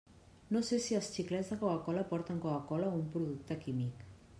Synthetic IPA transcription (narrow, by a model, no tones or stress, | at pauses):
nosesiəlˠst͡ʃiklɛd͡zzðəkaɣakɔlɐpɔɾt̪əŋkoɣakɔlaumpɾuðuk̚t̪əkimik